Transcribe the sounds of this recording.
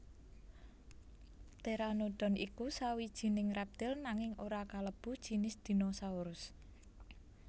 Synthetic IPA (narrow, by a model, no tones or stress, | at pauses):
t̪eɾanoɖ̪̥ɔ̤nikusawid̥ʒ̥i̤nɪŋrap̚d̪̥ɛ̤lnaŋɪŋʔoɾakaləb̥ṳd̥ʒ̥i̤nɪsd̪̥i̤nosauɾʊs